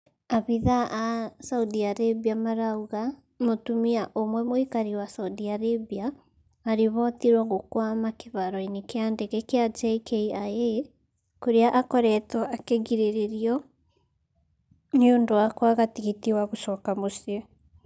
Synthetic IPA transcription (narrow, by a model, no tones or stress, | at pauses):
aβiðaʔːsauðiaɾeβiamaɾauɣa | motumiaʔomwɛmoikaɾiwasauðiaɾeβiaː | ɾeβɔtiɾwɔɣokwamakeβaɾɔinekeandɛɣɛkead͡ʒeikeiae | koɾeaʔakɔɾɛtɔakeɣiɾeɾeɾiɔ | niondoakwaɣatiɣitiwaɣoʃɔkamosie